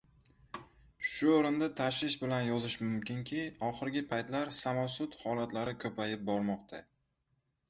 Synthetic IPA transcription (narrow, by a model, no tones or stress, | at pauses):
ʃʊoɾɪnd̪at̪ʰaʃɪʃbɪlanjɒzɪʃmʊmkʲʰɪŋkʲʰɪɒχɨɾɡʲɪpʰajt̪laɾsamɒsʊt̪hɒlat̪laɾɪkʰɵpʰajɪp̚bɒɾmɒqt̪ʰa̰